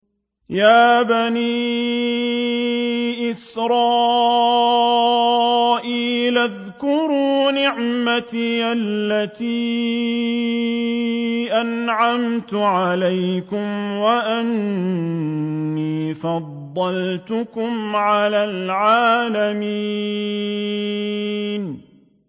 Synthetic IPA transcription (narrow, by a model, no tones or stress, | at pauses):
jaːbaniː | ʔɪsɾˤɑː | ʔiːlað | kʊɾuːnɪʕmat̪iːʔallːat̪iː | ʔanʕamt̪ʊʕalajkʊmwaʔan | iːfɑd̪ˤːɑlt̪ʊkʊmʕalaːlʕaːlami | n